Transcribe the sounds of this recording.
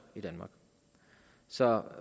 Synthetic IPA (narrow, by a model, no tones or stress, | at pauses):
id̥ænmɑ̈ːɡ̥ | sɒ̽